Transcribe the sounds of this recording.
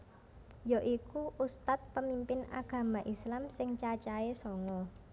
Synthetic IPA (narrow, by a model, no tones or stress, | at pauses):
joʔikuʔust̪at̪̚pəmimpɪna̰ɡ̥ä̤maʔislamsɪŋt͡ʃat͡ʃaesɔŋɔ